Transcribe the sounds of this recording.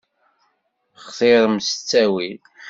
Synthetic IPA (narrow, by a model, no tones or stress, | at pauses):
χθˤeɾˤmsət͡sːæwil